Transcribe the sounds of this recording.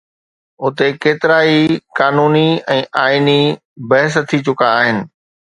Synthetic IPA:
ʊt̪ekeːt̪ɪɾaːikaːnuːniɛ̃ːʔaːini | bɐɦɪs̬t̪ʰːit͡ɕʊkaːɦɪnɪ̆

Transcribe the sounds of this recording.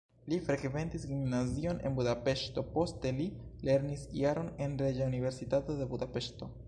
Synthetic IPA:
lifɾe̞kve̞ntisɡimnazio̞ne̞̰nbudape̞ʃto̞po̞ste̞lile̞ɾnisḭaɾo̞ne̞nɾed͡ʒaunive̞ɾsitato̞d̪e̞bud̪ape̞ʃto̞

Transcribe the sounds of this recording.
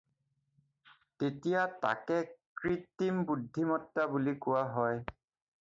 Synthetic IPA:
tetijata̰kɛkɹitimbudʱːimɔtːabulikʊwaɦɔj

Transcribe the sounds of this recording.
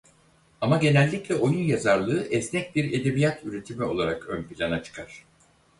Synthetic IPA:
amaɟe̞nɛlʲːiclʲɛo̞junjazaɾlˠɯːʔɛsnɛc̚biɾe̞d̪e̞bijat̪ʰyɾe̞t̪ʰimio̞̰lˠaɾakønpilʲanat͡ʃʰɯ̥kʰaɾ̥

